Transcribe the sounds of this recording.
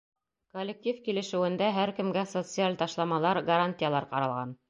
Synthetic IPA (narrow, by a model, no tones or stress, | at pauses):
kolʲːek̚tʲifkilɘ̆ʃɘ̆wɘ̆nd̪æɦæɾkɘ̆mɡæsot̪sɨalʲt̪ɑʃlˠɑmɑlˠɑɾɡɐɾanʲtʲɪjalˠɑɾqɑɾɑ̰lˠʁɑn